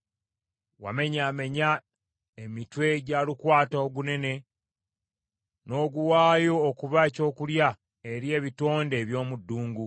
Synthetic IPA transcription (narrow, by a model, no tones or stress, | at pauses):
wa̰me̞ɲaːme̞ɲa | e̞mitwe̞ɟaːlikwaːtaoɡune̞ne̞ | no̞ːɡuwaːjo̞ːkuβaeco̞ːkulja | e̞ɾje̞ːβito̞ːnde̞ːβjo̞ːmudːuːŋɡu